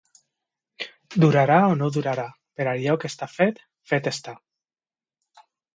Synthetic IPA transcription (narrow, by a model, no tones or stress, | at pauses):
d̪uɾaɾaonoðuɾaɾa | peɾalʎɔkest̪afet̪ | fet̪est̪a